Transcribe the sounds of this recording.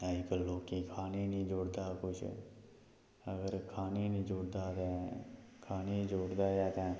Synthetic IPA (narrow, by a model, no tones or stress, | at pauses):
əd͡ʒkəlːoːkĩːkʰaːneːnĩːd͡ʒoːɽd̪aːkʊt͡ʃʰ | əɡəɾkʰaːneːnĩːd͡ʒʊːɽd̪aːt̪ɛ̃ːkʰaːneːd͡ʒoːɽd̪aːjaːt̪ɛ̃ː